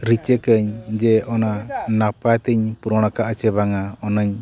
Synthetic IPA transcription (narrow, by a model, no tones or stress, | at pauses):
ɾit͡ʃɛkəɲd͡ʒɛʔɔnanapat̪əɲpuɾɔɽ̃akaʔt͡ʃɛbaŋaɔnəɲ